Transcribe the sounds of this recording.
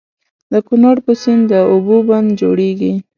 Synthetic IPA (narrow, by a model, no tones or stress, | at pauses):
d̪əkʊnaɽpəsɪnd̪əuboband̪d͡ʒoɽeɡi